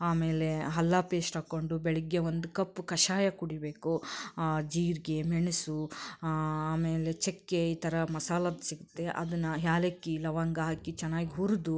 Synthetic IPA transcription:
aːmeːleɦɐlːaːpeːsʈaːkoɳɖubeɭiɡːeʋond̪ukɐpːukɐʃaːjɐkuɽibeːku | d͡ʒiːɾɡemeɳusu | aːmeːlet͡ʃekːeiːt̪ɐɾɐmɐsaːlɐd̪siɡut̪ːe̞ʔɐ̰d̪ɐnːɐɦjaːlekːilɐʋaːŋɡɐɦaːkit͡ʃɛnːaːɡiɦuɾud̪u

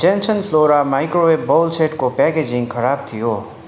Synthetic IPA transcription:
d͡ʒensʌnpʰloɾamajkɾowebbʌwlsʰeʈkopɛked͡ziŋkʰʌɾab̚t̪ʰijo

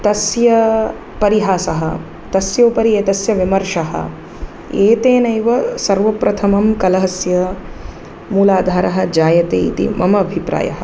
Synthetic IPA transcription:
t̪ɐsjɐ | pɐɾiɦaːsɐɦɐ̰ | t̪ɐsjoːpɐɾieːt̪ɐsjɐʋimɐɾʂɐɦɐ̰ | eːt̪eːnɐjʋɐsɐɾʋɐpɾɐt̪ʰɐmɐmkɐlɐɦɐsjɐ | muːlaːd̪ʱaːɾɐɦɐd͡ʒaːjɐt̪ḛːit̪ḭmɐmɐːbʱipɾa̰ːjɐ̰ɦɐ̆

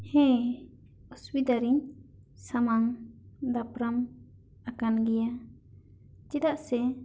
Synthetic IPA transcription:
hɛ̃ | usbid̪aɾiŋ | samaŋd̪apɾam | akanɡɛja | d͡ʒid̪aʔsɛ

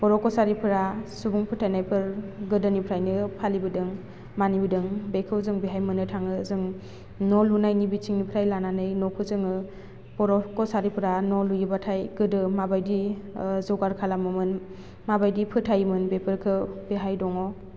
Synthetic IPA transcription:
pɔɾɔkɔsaɾipʰɯɾasubuŋpʰɯtʰajnajpʰɯɾɡɯdɯnipʰɾajnɯpʰalibɯdɯŋ | manibɯdɯŋbekʰɯwzɯŋbeɦajmɯnɯtʰaŋɯzɯŋ | nɔlunajnibit͡ʃʰiŋnipʰɾajlananɯjnɔkʰɯzɯŋɯ | bɔɾɔkɔsaɾipʰɯɾanɔlujɯbatʰajɡɯdɯmabajdizɯɡaɾkʰalamɯmɯn | mabajdipʰɯtʰajmɯnbepʰɯɾkʰɯbeɦajdɔŋɔ

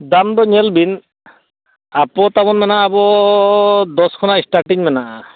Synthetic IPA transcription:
d̪amd̪ɔɲɛlbin | apɔt̪abɔnmɛnaʔːbɔ | d̪ɔskʰɔnaisʈaʈiɲmɛna

